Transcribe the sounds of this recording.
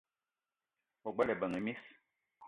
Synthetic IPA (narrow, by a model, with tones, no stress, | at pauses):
ɔ˨ɡ͡bɛ˦lɛ˨bə˨ŋe˨mi˦s